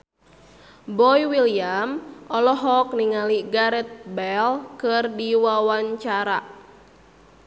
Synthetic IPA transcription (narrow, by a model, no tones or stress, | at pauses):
bɔjwiliamʔɔlɔɦɔk̚niŋaliɡaɾɛt̪̚bɛlkɨrdiwawaɲt͡ʃaɾa̰